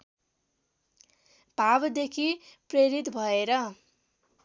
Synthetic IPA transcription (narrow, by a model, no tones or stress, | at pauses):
b̥ʱabd̪ekʰipreɾit̪bʱʌeɾʌ